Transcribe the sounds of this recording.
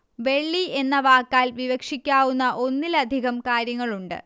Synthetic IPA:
ʋe̞ɭːie̞nːɐʋaːkːaːlʋiʋɐkʂikʲːaːwunːɐʔo̞nːilɐd̪ʱiɣɐmkaːɾjɐŋːɐɭuɳɖɨ̰

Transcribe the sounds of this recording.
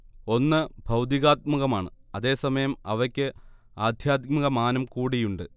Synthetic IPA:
o̞nːɨbʱɐwd̪iɣaːt̪̚muɣɐmaːɳɨɐðe̞ːsɐmɐjɐmɐʋɐkʲːɨ | aːd̪ʱjaːd̪̚mɐɣɐmaːnɐmkuːɽijuɳɖɨ

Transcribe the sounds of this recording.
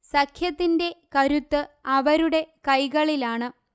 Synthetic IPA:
sɐkʰjɐt̪ːinde̞kɐɾut̪ːɨɐʋɐɾuɽe̞kɐjɣɐɭilaːɳɨ

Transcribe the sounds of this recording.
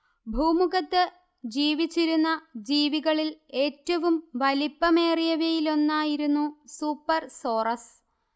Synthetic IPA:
bʱuːmuɣɐt̪ːɨ | d͡ʑiːʋit͡ɕːiɾunːɐd͡ʑiːʋiɣɐɭile̞ːtːɐʋumʋɐlipːɐme̞ːrijɐʋjɐjilo̞nːaːjiɾunːusuːpːɐrso̞ːrɐs

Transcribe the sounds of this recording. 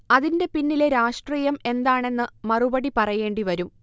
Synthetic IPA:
ɐðinde̞pinːileɾaːʂʈriːjɐme̞nd̪aːɳe̞nːɨmɐrubɐɽipɐrɐje̞ːɳɖiʋɐɾum

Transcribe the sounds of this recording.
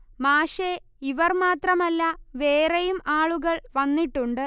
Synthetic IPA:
maːʂe | iʋɐrmaːt̪rɐmɐlːɐʋe̞ːrejumaːɭuɣɐɭʋɐnːiʈːuɳɖɨ

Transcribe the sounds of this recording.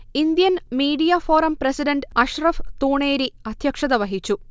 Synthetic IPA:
ind̪jɐnmiːɖijɐfo̞ːɾɐmpresiɖɐɳɖɐʂrɐft̪uːɳeːɾiɐd̪ʱjɐkʂɐðɐʋɐɦit͡ɕːu

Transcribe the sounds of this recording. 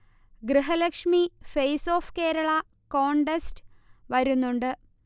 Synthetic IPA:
ɡɾɨɦɐlekʂmifejso̞ːfke̞ːɾɐɭɐ | ko̞ːɳɖestʋɐɾunːuɳɖɨ

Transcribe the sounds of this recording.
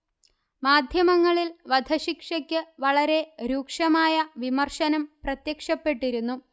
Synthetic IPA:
maːd̪ʱjɐmɐŋːɐɭilʋɐd̪ʱɐɕikʂɐkʲːɨʋɐɭɐɾe̞ɾuːkʂɐmaːjɐʋimɐrʂɐnɐmprɐt̪jɐkʂɐpːe̞ʈːiɾunːu

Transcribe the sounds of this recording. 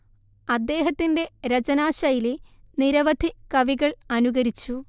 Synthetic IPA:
ɐd̪ːe̞ːɦɐt̪ːinde̞ɾɐt͡ɕɐnaːɕɐjileniɾɐʋɐd̪ʱikɐʋiɣɐɭɐnuɣɐɾit͡ɕːu

